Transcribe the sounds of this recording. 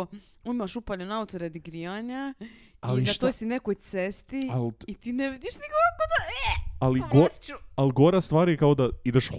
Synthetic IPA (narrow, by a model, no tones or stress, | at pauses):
uimaʃupaʎonaut̪oɾed̪iɡɾiːʋaɲaailnat̪ojsinekojt̪sest̪ialit̪iːneʋid̪iʃnikokakod̪aealiɡoaliɡoɾast̪ʋaːɾjekaod̪aid̪eʃ